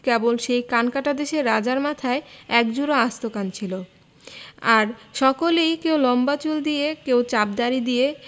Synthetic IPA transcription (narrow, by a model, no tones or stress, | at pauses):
kebolʃejkankaʈad̪eʃeɾːad͡ʑaɾmat̪ʰaeɛkd͡ʑuɾaast̪okant͡ɕʰilo | aɾʃɔkolejkewlɔmbat͡ɕuld̪ijekewt͡ɕab̚d̪aɾid̪ije